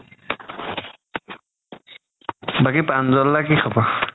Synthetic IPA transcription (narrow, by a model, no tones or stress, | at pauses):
bakipanzɔlːakixaba